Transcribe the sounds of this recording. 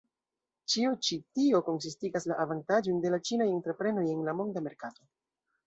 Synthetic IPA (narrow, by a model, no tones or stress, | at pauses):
t͡ʃiot͡ʃitio̞ko̞ns̬istiɡaslaʔavantad͡ʒojnde̞lat͡ʃinaje̞ntɾe̞pɾe̞no̞je̞nlamo̞ndame̞ɾkato̞